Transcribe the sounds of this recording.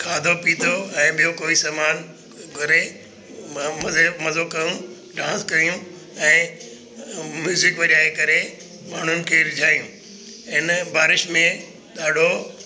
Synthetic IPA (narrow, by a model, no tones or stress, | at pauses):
kʰaːd̪ʱopiːt̪ʰoɛ̃ːɓijokoːisaːmaːn | kɐɾe | mɐzemɐzokɐjũ | ɖãːskɐijũ | ɛ̃ː | mjuːzɪkʋɐɗjaːɦekɐɾe | maːɳ̤ʊnɪ̆kʰeɾɪd͡ʑʱaːijũː | ɪnbʱaːɾɪʃmẽ | ɗ̪aːɖʱo